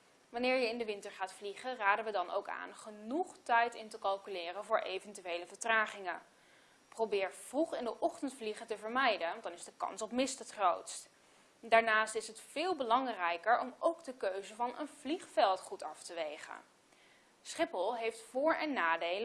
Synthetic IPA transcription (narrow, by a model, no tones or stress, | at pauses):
ʋɑnɪːɹjəɪndəʋɪntəɹχaːtfliχəraːdənʋədɑno̰wka̰ːnχənuχtɛjtɪntəkɑlˠkylɪːrənvʊːɹʔejvɛntyʋejləvəɹtraːχɪŋə | prowbɪːɹv̥ruχɪndəʔɔχtəntfliχətəvəɹmɛjdənɑndɑnɪzdəkɑ̰nsɔpmɪstətχrowtst | daːɹnaːstɪsɦətfɪːlˠbəlɑŋrɛjkəɹɔmowɡdəkøɥzəvɑnʔə̰nv̥liχfɛlˠtχutɑftəʋejχə̰n | sχɪpəlˠɦejftfʊːɹɛnːaːdejlə